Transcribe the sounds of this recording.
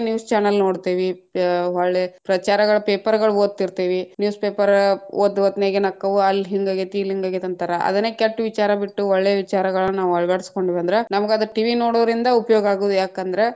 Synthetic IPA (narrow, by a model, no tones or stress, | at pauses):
njuːst͡ʃaːnɐlnoːɽt̪iːʋiɐɭːeːpɾɐt͡ʃaːɾɐɡɐɭɐpeːpɐɾɡɐɭuoːd̪̚t̪ːiɾt̪iːʋinjuːspeːpɐɾoːd̪ːʋɐt̪neːɡenɐkːɐʋuɐlːɦiŋɡaːɡet̪iːliŋɡaːɡet̪ɐnt̪ɐɾɐʔɐ̰d̪ɐneːkɐʈːʋit͡ʃaːɾɐbiʈːuɔɭːeːʋit͡ʃaːɾɐɡɐɭɐnnaːʋuɐɭʋaːɽisko̞ɳɖiʋɐnd̪ɐɾenɐmɐɡeɐd̪ɐɾɐʈiʋino̞ːɽoːʋɾind̪ɐupɐjoːɡɐaːɡuːd̪ujaːkɐnd̪ɐɾe̞